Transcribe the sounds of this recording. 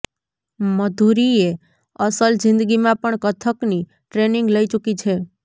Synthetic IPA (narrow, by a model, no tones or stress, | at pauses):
məd̪ʱuɾie | əsəld͡ʒɪ̃nd̪əɡimãpəɳkət̪ʰəkni | ʈɾenɪ̃ŋɡləit͡ʃukit͡ʃʰe